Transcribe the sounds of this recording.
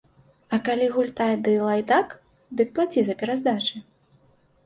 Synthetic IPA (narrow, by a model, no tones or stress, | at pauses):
ɐkalʲiɣulʲt̪ajd̪ɨlˠajd̪ak | d̪ɨk̚plˠat͡sʲizɐpʲɛɾazd̪at͡ʂɨ